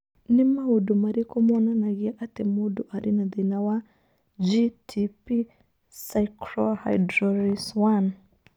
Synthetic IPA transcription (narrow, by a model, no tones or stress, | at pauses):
nimaudumaɾikɔmɔnanaɣiaʔatɛmuduʔaɾinaðinawa | d͡ʒitʰipi | sajkɾɔha̰jdɾɔɾiswan